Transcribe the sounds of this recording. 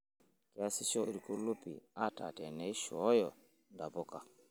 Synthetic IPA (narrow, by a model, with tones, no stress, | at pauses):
kɛ˨a˦si˦sɔ˦i˨ɾko˦lu˦pḭ˨a˦ta̰˨tɛ˨nɛ˨˦i˦ʃɔ˨˦jɔ˨ | nda˨bɔ˦ka˨